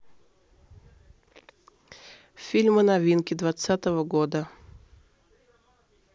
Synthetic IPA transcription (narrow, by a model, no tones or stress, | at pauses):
fʲilʲmɨnɐvʲinkʲɪd̪vat̪sat̪əvəɡod̪ə